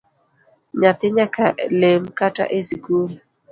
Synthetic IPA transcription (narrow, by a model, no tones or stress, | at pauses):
ɲat̪ɪɲakalemkata̰ʔesiɡul